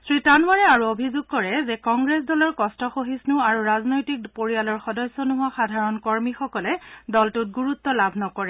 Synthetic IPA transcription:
sɹitanwaɹɛaɹuobʱizuɡ̚kɔɹɛzɛkɔŋɡɹes̬dɔlɔɹkɔstɔxoɦisnʊaɹuɹaznojtik̚poɹijalɔɹxɔdɔsːɔnʊɦʊaxadʱaɹɔnkɔɹmixɔkɔlɛdɔltʊt̚ɡuɹut̪ːɔlabʱnɔkɔɹɛ

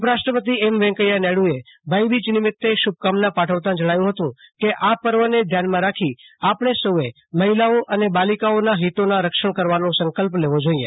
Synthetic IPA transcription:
upəɾaʃʈɾəpət̪̬iɛmʋɛ̃ŋkəjanɛɽuebʱajbid͡ʒnɪmɪt̪ːeʃub̚kamnãpaʈʰəʋt̪ãd͡ʒəɽ̃ajũɦət̪ũkeʔapəɾʋəned̪ʱjanmãɾakʰiapɳ̃esəe | məɦilaoʔənebalikaonaɦit̪onaɾəkʃəɳ̃kəɾʋanõsə̃ŋkəlpleʋod͡ʒoiḛ

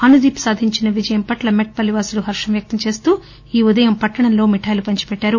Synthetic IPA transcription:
ɐnud̪iːpsaːd̪ʱiɲt͡ʃinɐʋid͡ʒɐjɐmpɐʈlɐmeʈ̚pɐlːiʋaːsuluɦɐɾʂɐmjɐk̚t̪ɐmt͡ʃe̞ːst̪uː | iːud̪ɐjɐmpɐʈːɐɳɐmlo̞ːmiʈʰaːjlupɐɲt͡ʃi̥pɛʈːaːɾu

